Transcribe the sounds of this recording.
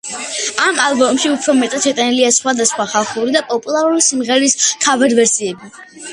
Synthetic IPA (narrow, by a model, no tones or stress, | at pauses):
amalˠbɔmʃiupʰɾɔmɛt̪ʼat̪ʃɛt̪ʼaniliasχwad̪asχwaχalˠχuɾid̪apʼɔpʼulˠaɾulisimʁɛɾiskʰavaɾvɛɾsiɛbi